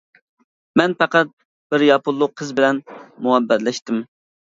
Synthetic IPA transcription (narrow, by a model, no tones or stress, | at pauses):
mɛnpæqæt̪̚ | b̥ɪɾjɑpʰʊlˠːʊqʰːəzbɪlɛnmuɛbːɛɾlɛʃt̪ɪm